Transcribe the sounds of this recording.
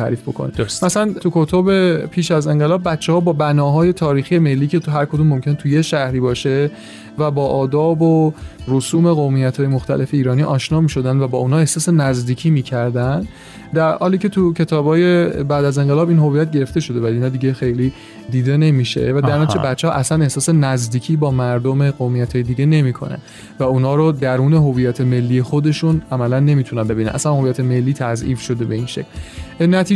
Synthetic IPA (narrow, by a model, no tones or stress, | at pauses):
t̪ʰæ̰ːɾiːfbokʰo̰nḛdmæsælænt̪ʰukʰot̪ʰobe̞pʰiːʃæze̞ŋɢe̞lɒːb̚ːætt͡ʃːehɒːbɒːbænɒːɦɒːje̞t̪ʰɒːɾiːxije̞me̞lːiːcʰet̪uɦæɾkʰod̪uːmːo̞mcʰenet̪ʰujeʃæhɾiːbɒːʃe̞ | væbɒːʔɒːd̪ɒːborosuːme̞ɣomijæt̪ʰhɒːje̞moxt̪æ̰lʔe̞fe̞iːɾɒːniːʔɒːʃnɒːmiːʃo̞d̪ænd̪væbɒːunhɒːe̞hsɒːsenæzd̪iːcʰiːmiːcʰæɾd̪ænd̪ | d̪æɾhɒ̰ːliːce̞t̪ʰucʰe̞t̪ʰɒːbhɒːje̞bæːd̪æze̞ŋɢelɒːbiːnɦovijæt̪̚ɟe̞ɾeft̪e̞ʃo̞d̪e̞væliinɒːd̪iːɟexe̞jliː | d̪iːd̪e̞ne̞miʃe̞̰væd̪æɾnɒːt͡ʃebætt͡ʃːehɒ̰ʔæsæne̞hsɒːse̞næzd̪iːcʰiːbɒːmæɾd̪o̞meɢomijæt̪ʰɒːjed̪iɟene̞mikʰo̞̰næ̰n | væuːnhɒːɾod̪æɾuːne̞ɦo̞viːjæt̪ʰe̞me̞lːiːjexod̪e̞ʃunæmælænːe̞miːt̪ʰunæmbe̞binæ̰nʔæ̰sænho̞vijæt̪ʰe̞me̞lːiːt̪ʰæzʔiːfʃo̞d̪e̞be̞inʃḛcʰlnæt̪ʰiː